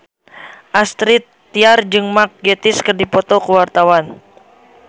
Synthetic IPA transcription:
ʔast̪ɾit̪ːiard͡ʒɨŋmak̚ɡɛt̪ɪskɨrdipɔt̪ɔkuwart̪awan

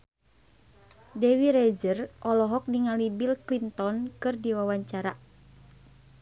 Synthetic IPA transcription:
dɛwiɾɛd͡ʒərʔɔlɔɦɔk̚diŋalibilklint̪ɔnkɨrdiwawaɲt͡ʃaɾa

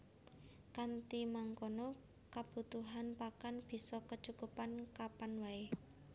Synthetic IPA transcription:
kant̪imaŋkonɔ | kab̥ṳt̪uɦanpakanb̥i̤sɔkət͡ʃukupankapanwae

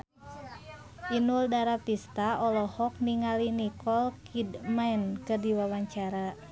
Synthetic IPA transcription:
ʔinuldaɾapist̪aʔɔlɔhɔk̚niŋalinikɔlkʰidmajnkɨrdiwawaɲt͡ʃaɾa

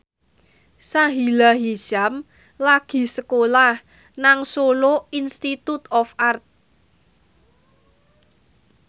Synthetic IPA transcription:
saɦilaɦi̥ʒ̥a̤m | laɡ̥i̤səkolah | naŋsoloinst̪it̪ut̪ɔfart̪̚

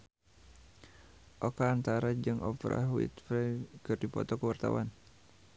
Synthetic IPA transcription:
ʔokaːnt̪aɾad͡ʒɨŋʔɔpɾʔa̰wḭt̪fɾɛkɨrdipɔ̰t̪ɔkəwart̪a̰wa̰n

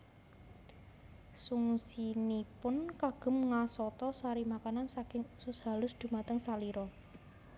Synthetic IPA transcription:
suŋsinipʊnkaɡ̥ə̤mŋasɔt̪ɔsaɾimakanansakɪŋusʊsɦalʊsd̪̥ṳmat̪əŋsaliɾɔ

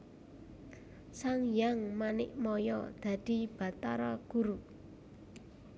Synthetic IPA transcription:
saŋjaŋmanɪʔmɔjɔ̰d̪̥ä̤d̪̥i̤b̥a̤t̪aɾaɡ̥uɾu

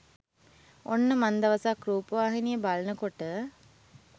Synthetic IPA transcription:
onːəmand̪ɐʋɐsakɾuːpəʋaːɦinijəbalɐnəkoʈə

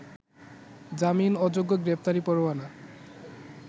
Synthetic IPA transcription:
d͡ʑaminɔd͡ʑoɡːoɡɾep̚ʰt̪aɾipɔɾowana

